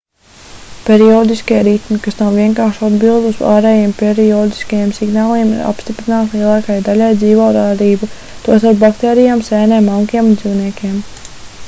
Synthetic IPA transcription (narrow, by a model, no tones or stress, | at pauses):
pʲɛɾiɔːd̪iskiɛɾit̪mikasnawviɛŋkaːɾʃuad̪bilˠd̪usa̰ːɾɛːjiɛmpʲɛɾiɔːd̪i̥skajemsiɡnaːlˠiɛmḭɾa̰pst̪ipɾinaːt̪lˠiɛlˠɑːkajd̪alʲajd̪ziːʋɔːɾaːd̪iːbu | t̪uɔsaɾpbakt̪ɛːɾijaːmsɛːnɛmːaŋkiɛmund̪ziwniɛkʲiɛm